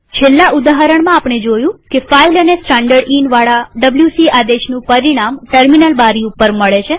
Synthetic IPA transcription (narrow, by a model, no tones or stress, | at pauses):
t͡ʃʰelːaʔud̪aɦəɾəɳ̃mãapɳ̃ed͡ʒojũkefailənesʈaɳɖəɾɖinʋaɭaɖəbljusiʔad̪eʃnũpəɾiɽ̃amʈəɾminəlbaɾiupəɾməɭet͡ʃʰe